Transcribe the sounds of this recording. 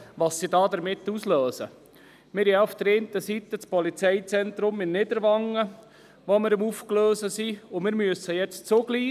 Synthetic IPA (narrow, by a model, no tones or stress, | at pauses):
ʋɑsːidɑːd̪əɾmɪt̪ːusløːsə̰ | mɪɾjɑufd̪̥əɾeːnt̪əsit̪ːət͡spɔlit͡sɛɪt͡sɛnt̪ɾʊmɪnnɪd̪əɾʋɑŋːə | ʋoməɾəmufkløːsəsiʊmɪɾmyəsːəjɛt͡st͡soɡliː